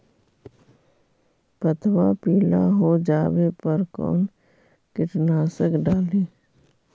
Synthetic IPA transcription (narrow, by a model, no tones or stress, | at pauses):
pət̪ʰwapiːla̰ɦod͡ʒaːwepəɾkɔ̰ːn | kɪʈnaːsəkɖaːleː